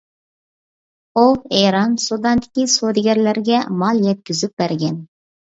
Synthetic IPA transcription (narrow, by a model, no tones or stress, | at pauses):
oeɾɑnsud̪ɑnd̪ɪ̥kʲisod̪ɪɡʲæɾlæɾɡʲɛmɑlˠjɛt̪̚kʲyzɪp̚bæɾɡʲɛn